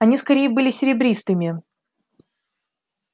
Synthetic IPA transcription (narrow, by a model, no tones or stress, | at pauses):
ɐnʲiskɐɾʲejəbɨlʲɪsʲɪɾʲɪbɾʲist̪ɨmʲɪ